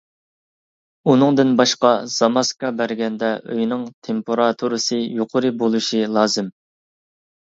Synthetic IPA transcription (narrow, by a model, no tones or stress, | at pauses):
unɨŋd̪ɪnbɑʃqɑz̥ɑmɑskɑbæɾɡʲɛnd̪ɛʔø̰jnɪŋt̪ʰempʰoɾɑt̪ʰuɾɨsɨjoqʰʊɾɨbolˠuʃilˠɑːzɨm